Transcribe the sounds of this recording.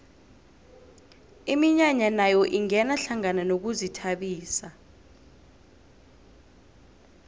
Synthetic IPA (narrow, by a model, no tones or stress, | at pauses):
imiɲaɲanajɔʔiŋɛnaɬaŋananok̬uzitʰaɓiːsa